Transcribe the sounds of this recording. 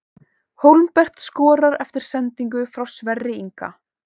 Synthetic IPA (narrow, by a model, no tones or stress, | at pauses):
howlmpɛr̥t̪skɔːɾaɾɛft̪ɪɾ̥sɛnt̪iŋk̬ʏfɾawsvɛrːɪiŋka̰